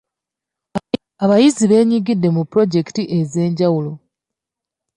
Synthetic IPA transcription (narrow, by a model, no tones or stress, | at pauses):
aβajiziβe̞ːɲiɡidːe̞mupːɾo̞ɟe̞ki̥tiʔe̞ze̞ːɲɟawulo̞